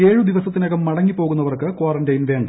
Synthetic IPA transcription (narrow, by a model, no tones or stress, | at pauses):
e̞ːɻud̪iʋɐsɐt̪ːinɐɣɐmːɐɽɐŋːipːo̞ːɣun̪ːɐʋɐrkɨkwaːrɐndɐjnʋeːŋ